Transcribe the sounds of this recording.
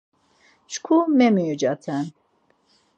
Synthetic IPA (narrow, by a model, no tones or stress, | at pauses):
t͡ʃʰkʰumɛmijud͡ʒat̪ʰɛn